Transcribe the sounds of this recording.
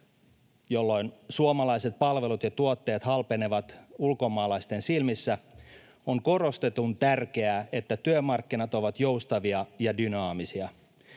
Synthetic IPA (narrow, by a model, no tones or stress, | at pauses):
jolːo̞jnsuomɑlɑjset̪̚pɑlʋe̞lut̪jɑt̪uot̪ːe̞ːt̪hɑlpe̞ne̞ʋɑt̪ulko̞mɑːlɑjst̪e̞nsilmisːæ | oŋko̞ro̞st̪e̞t̪unt̪ærke̞æe̞t̪ːæt̪yømɑrkːinɑt̪o̞ʋɑt̪jowst̪ɑʋiɑjɑdynɑːmisiɑ